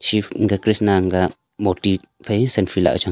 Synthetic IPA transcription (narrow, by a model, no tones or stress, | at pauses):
ʃiŋɡakɾisnaŋɡa | mot̪i | fesenfila̰t͡ʃa